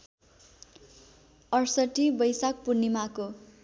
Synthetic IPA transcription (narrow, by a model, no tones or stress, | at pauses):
ʌrsʌʈibʌjsak̚purnimako